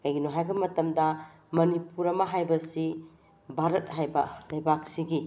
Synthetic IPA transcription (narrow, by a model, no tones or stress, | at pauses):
kajɡinuɦajɡɐmɐtɐmdɐ | mɐnipuɾɐmɐɦajbɐsi | bʱaɾɐt̚ɦajbɐlɐjbak̚siɡi